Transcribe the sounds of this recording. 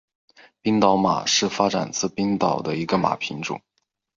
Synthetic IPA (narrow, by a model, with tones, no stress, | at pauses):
pi˥ŋt̪ɑ˧˥ʊma̰˨˩ʂɻ̩˥˩fa˥ʈ͡ʂa̰˨˩nt͡sʰɹ̩˥˩pi˥ŋt̪ɑ˨˩ʊd̪ə˦i˧˥ɡə˧ma̰˨˩pʰi˧˥ŋʈ͡ʂʊ̰˨˩˦ŋ